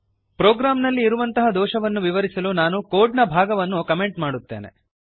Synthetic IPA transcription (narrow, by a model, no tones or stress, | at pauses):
pɾɔːɡɾaːmnɐlːiːɾuʋɐnt̪ɐɦɐd̪ɔːʃɐʋɐnːuʋiʋɐɾisɐlunaːnukoːɖnɐbʱaːɡɐʋɐnːukɐme̞ɳʈmaːɽut̪ːe̞̰ːnḛ